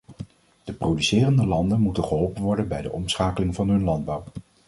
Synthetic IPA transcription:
d̥əprodysɪːrəndəlɑndənmutənχəɦɔlˠpənʋɔɹdənbɛjdəʔɔmsχaːkəlɪŋvɑnɦɵnlɑnd̚bɑw

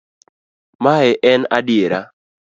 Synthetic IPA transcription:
maɛʔɛna̰dɪeɾa

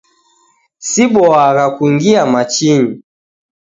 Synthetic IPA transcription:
siɓɔaɣakuŋɡiamat͡ʃiɲi

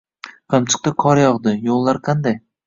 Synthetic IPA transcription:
qʰɨmt͡ʃʰɨ̥q̚t̪aqʰɒɾjɒʁd̪ɪjolˠːaɾqʰɑnd̪aj

